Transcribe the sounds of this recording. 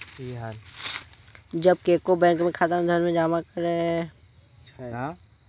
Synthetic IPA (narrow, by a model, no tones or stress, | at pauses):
iɦan | d͡ʒɐb̚kekobɛ̃ːŋkmẽkʰat̪əmd̪ʱəɾmẽd͡ʒaːmakəɾe | ã